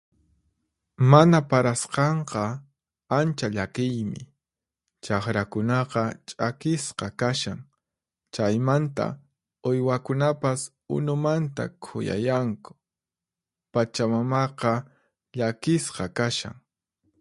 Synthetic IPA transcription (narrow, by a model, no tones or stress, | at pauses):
manapaɾasqɑɴqɑ | ant͡ʃaʎakɪjmɪ̰ | t͡ʃaχɾakʊnɑqɑt͡ʃʼakɪsqɑkaʃa̰ŋ | t͡ʃajmant̪a̰ | ʊjwakʊnapas | ʊ̰nʊmant̪a̰kʰʊ̰ja̰jaŋkʊ̥ | pat͡ʃamamɑqɑ | ʎakɪsqɑkaʃa̰ŋ